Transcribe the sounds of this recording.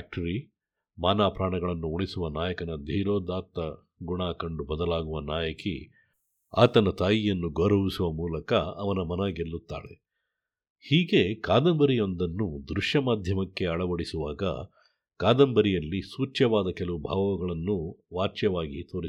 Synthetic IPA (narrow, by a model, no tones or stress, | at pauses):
k̚ʈɐɾi | maːnaːpɾaːɳɐɡɐɭɐnːuuɭisuʋɐnaːjɐkɐnɐd̪ʱiːɾoːd̪aːt̪ːɐ | ɡuɳaːkɐɳɖubɐd̪ɐlaːɡuʋɐnaːjɐkḭ | a̰ːt̪ɐnɐt̪aːjijɐnːuɡoːɾɐʋisuʋɐmuːlɐkɐːʋɐnɐmɐnɐɡelːut̪ːaːɭḛ | hiːɡe̞kaːd̪ɐmbɐɾijo̞nd̪ɐnːud̪ɾuʂjɐmaːd̪ʱjɐmɐkːe̞ɐɭɐʋɐɽisuʋaːɡɐ̰ | kaːd̪ɐmbɐɾijɐlːisuːt͡ʃjɐʋaːd̪ɐkɛlɐʋubʱaːʋɐʋɐɡɐɭɐnːuʋaːt͡ʃjɐʋaːɡit̪oːɾi